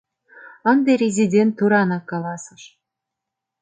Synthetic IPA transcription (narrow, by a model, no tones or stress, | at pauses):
ɤ̆nd̪eɾʲezʲidʲent̪ːuɾɑnɑkːɑlˠɑsɤ̆ʃ